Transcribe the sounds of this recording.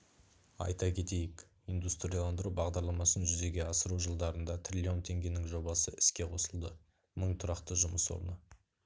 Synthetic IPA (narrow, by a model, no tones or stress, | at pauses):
ɑ̰jt̪ɑkʲʰe̞t̪e̞jɪk | ind̪ust̪ɾʲijalˠɑnd̪əɾubɑʁd̪ɑɾlˠɑmɑsənʒʏze̞ɡʲe̞ɑsəɾuʒəlˠd̪ɑɾənd̪ɑt̪ʰrʲilʲio̞nt̪ʰe̞ŋɡʲe̞nɪŋʒo̞bɑsəɪskʲe̞qʰo̞səlˠd̪ə | məɴt̪ʰʊɾɑqt̪əʒʊməswo̰ɾnə